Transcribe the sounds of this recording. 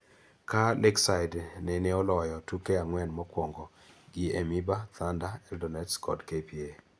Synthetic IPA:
kalɛksajdnɛnɛɔlɔjɔtukeaŋwɛnmɔkwɔŋɡɔ | ɡiemibat̪andaɛldɔnɛtskʰɔ̰dkepie

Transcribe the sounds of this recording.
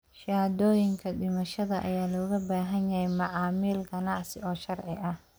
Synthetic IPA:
ʃaːd̪ɔːjɪŋkʰɐɗɪmɐʃɐðɐʔɐjaːlɔːɣɐbaːɦɐnjɐhɛjmɑʕɑːmiːlɡɐnɑʕsɪ̰ɔːʃɐrʕɪʔɐh

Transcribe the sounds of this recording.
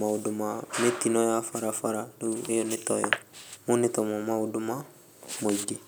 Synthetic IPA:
maudumametinɔjafaɾafaɾadoejɔnitɔ̰jɔ̰munitɔmɔmauduma | modi

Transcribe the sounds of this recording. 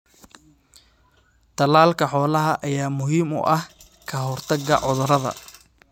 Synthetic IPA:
t̪ʰɐlaːlkʰɐħɔːlɐɦɐʔɐjaːmʊɦiːmʊ̰ʔɐh | kʰɐɦɔrt̪ʰɐɡɐ̰ʕʊðʊɾɐðɐ̰

